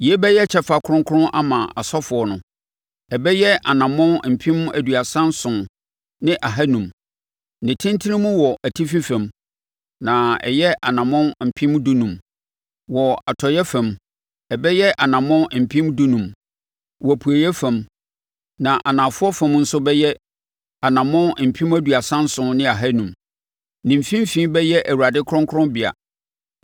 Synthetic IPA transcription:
ji˨e˦bɛ˦jɛ˦t͡ɕʰɛ˦fa˨kʰʊ˦ɾʊ̃˦ŋ˦kʰʊ˦ʊ̃˦ʔa˦mã˨ʔa˨sɔ˦fʊ˨ɔ˦nʊ̃˨ | ɛ˨bɛ˦jɛ˦ʔa˨nã˨mɔ̃˦n˨m̩˨pʰĩ˦m˦æ̰˨dɥa˨sã˦n˦sʊ̃˨n | nɪ̃˦ʔa˨ɦa˦nũ˨m | nɪ̃˨tʰɪ̃˦n˦tʰɪ˦nɪ̃˦mũ˦wɔ˨ʔæ˨tʰi˦fĩ˦fæ̃˨m | nã˨ɛ̰˨jɛ˦ʔa˨nã˨mɔ̃˦nm̩˨pʰɪ̃˦m˦du˦nũ˨m | wɔ˨a˨tʰɔ˨jɛ˦fɛ̃˨m | ɛ˨bɛ˦jɛ˦ʔa˨nã˨mɔ̃˦n˨m̩˨pʰĩ˦m˦du˦nũ˨m | wpʰu˨æ˨jɛ˦fɛ̃˨m | nã˨ʔa˨nã˨fʊ˦ɔ˦fɛ̃˨˦mn̩˦sʊ˦bɛ˦jɛ˦ | a˨nã˨mɔ̃˦nm̩˨pʰĩ˦mæ˦du˨a˨sã˦n̩˦sʊ̃˦nɪ̃˦a˨ɦa˦nũ˨m | nĩ˨m̩˨fĩ˦m˦fĩː˦bɛ˦jɛ˦ʔæ˨wu˨ɾa˨dɪ˦kʰɾɔ̃˦ŋkʰʊ˦ɾɔ̃˦bi˨a̰˨

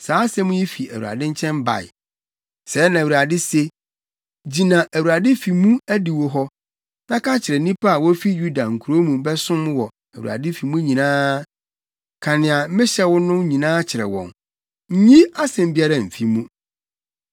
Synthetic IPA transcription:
saː˨˦sɛ˦mʊ̃˦jɛ˦fi˨æ˨wu˨ɾa̰˨dɪ̃˦ɲ̩˦t͡ɕʰɛ̃˦m˦ba̰˨ɪ̰˨ | sɛ˨˦nã˨wu˨ɾa˨dɪ˦se˦ | d͡ʑi˨nã˨ʔæ˨wu˨ɾa˨dɪ˦fi˨mũ˦æ˦di˨wo˨ɦɔ˦ | nã˦kʰa˦t͡ɕʰɪ˨ɾɛ˨nĩ˦pʰa˦a˨wɔ˦fi˦ju˦da˨ŋ̩˨kʰu˨ɾo˦mũ˨˦bɛ˦sʊ̃˦mwɔ˨ | æ˨wṵ˨a̰˨dɪ˦fi˨mũ˦ɲĩ˨nãː˦ | kʰa˨nɪ̃˨a˨˦mɪ̃˦ɕɛ˦wʊ˦nʊ̃˦ɲĩ˨nãː˦t͡ɕʰɪ˨ɾɛ̰˨wɔ̰̃˨n | ɲ̩˦ɲĩ˦a˦sɛ̃˨m˦bi˦a˦ɾa˨m̩˨fi˦mũ˦

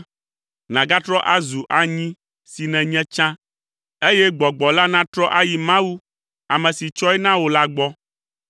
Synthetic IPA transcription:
nã˨ɡa˦t̪ɾɔ˦ʔa˦zu˨ʔa˨ɲĩ˦ | si˨nɛ̃˨ɲɛ̃˦t͡ʃã˦ | e˦jɛ˦ɡ͡bɔ˨ɡ͡bɔ˨la˦nã˦t̪ɾɔ˦ʔa˦ji˨mã˦wu˦ | a˨mɛ̃˨si˨t͡ʃɔ˦ɛ˦nã˦wo˨la˦ɡ͡bɔ˦

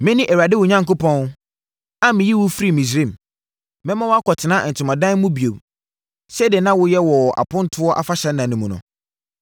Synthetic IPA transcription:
mɪ̃˦nɪ̃˦ʔæ˨wɾa˨dɪ˦wʊ˨ɲã˦ŋkʊ˦pɔ̃˦n˦ | a˦mɪ̃˨ji˦wʊ˦fi˦ɾi˨mĩ˨s̬ɾĩ˦˨m | mɛ̃˦mã˦wʊ˦a˦kʰɔ˨tʰɪ˨nã˦ʔn̩˨tʰɪ˨mã˨dã˦n˦mʊ̃˦bi˨o˨b | sɛ˦dɪ˨nã˦wʊ˦jɛ˦wɔ˨a̰˨pʰʊ̃˦n˦tʰʊ˦ɔ˦ʔa˦fa˦ɕɛ̃˨˦nːã˨nʊ̃˨mũ˨nʊ̰̃˨

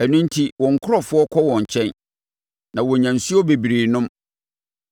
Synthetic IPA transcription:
æ˨nʊ̃˦n̩˦tʰi˦wɔ̃˨ŋ̩˨kʰʊ˦ɾɔ˦˨fʊ˦ɔ˦kʰɔ˦wɔ̃˨ɲ˨t͡ɕʰɛ̃˦n | nã˨wɔ˨ɲã˨n˨su˦ɔ˦be˨bi˨ɾeː˨nʊ̃˦m

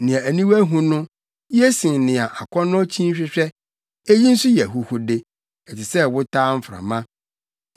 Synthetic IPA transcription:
nɪ̃˨ã˨æ˨nĩ˦wæ˦ɦũ˦nʊ̃˦ | jɛ˦sɪ̃˨ŋnɪ̃˨a˨ʔa˨kʰɔ˦nʊ̃˦t͡ɕʰĩ˦ɕᶣɪ˦ɕᶣɛ˦ | e˦ji˦n̩˦sʊ˦jɛ˨ɦʊ˨hʊ˦de˦ | ɛ˨tʰɪ˨sɛ˦wʊ˦tʰaː˦m̩˦fɾa̰˨mã˦

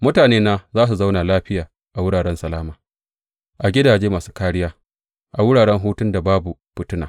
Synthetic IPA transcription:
mʊ˦taː˨neː˦naː˦zaː˦s̬u˨za˦wnaː˨laː˦ɸɪ˦jaː˨ | ʔa˨wʊ˦ɽaː˨ɽɛ˦nsɐ˨laː˦maː˨ | ʔa˨ɡʲɪ˦daː˨d͡ʒeː˦maː˨su̥ː˦kaː˦ɽɪ˦jaː˦ | ʔa˨wʊ˦ɽaː˨ɽɛ˦ŋɦuː˦tʊ˦nda˨baː˦bu˨ɸɪ˦tʊ˦na̰ː˨

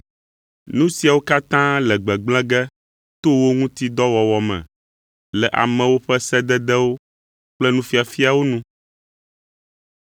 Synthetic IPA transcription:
nũ˦si˨a˨wo˦ka˦t̪ã˦lɛ˨ɡ͡bɛ˨ɡ͡bl̃ɛ̃˦ɡɛ˦ | t̪o˦wo˦ŋũ˦t̪i˦d̪ɔ˦wɔ˨wɔ˨mɛ̰̃˨ | lɛ˨ʔa̰˨mɛ̃˨wo˦ɸɛ˦sɛ˦d̪ɛ˦d̪ɛ˦wo˦ | k͡plɛ˦nũ˦fi˦a˨fi˦a˨wo˦nũ˦

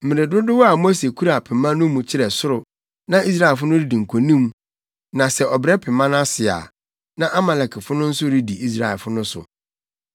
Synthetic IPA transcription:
m̩˨mɪ̃˨ɾɪ˨dʊ˦dʊ˦wɔ˦a˨mo˦se˨kʰu˦ɾa˨pʰɪ˨mã˦nʊ̃˦mũ˨t͡ɕʰɪ˦ɾɛ˨sʊ˦ɾʊ˨ | nã˦ʔi˦sɾa˦ɛ˨fʊ˦nʊ̃˦ɾi˦di˨ŋ̩˨kʰo˨nĩ˦m | nã˨sɛ˨ɔ˨bɾɛ˦pʰɪ˨mã˦n˦a˦sɪ˨a̰˨ | nã˦ʔa˦mɛ˨lɛ˨kʰɪ˨fʊ˦nʊ̃˦n̩˦sʊ˦ɾi˦di˨ʔi˦s̬ɾa˨ɛ˨lfʊ˦nʊ̃˦sʊ̰˨

